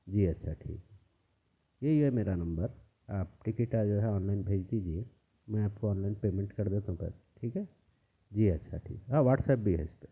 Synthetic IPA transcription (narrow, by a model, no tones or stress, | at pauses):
d͡ʒiːɐtːʃʰaʈʰḭːkɦɛ | jeiɦɛmeːɾanɐ̃mbəɾ | aːp̚ʈɪkɪʈad͡ʒoːɦɛɔːnlaːɪnbʱeːd͡ʒd̪id͡ʒie | mɛ̃aːpkoɔːnlaɪnpeːmẽɳʈkɐɾd̪eːt̪aɦũpɛ̰ːlʈʰiːkɦɛ | d͡ʒiːɐtːʃʰa̰ʈʰḭːkɛɦãʋaːʈsɛːp̚bʱiɦɛ̰ɪst̪e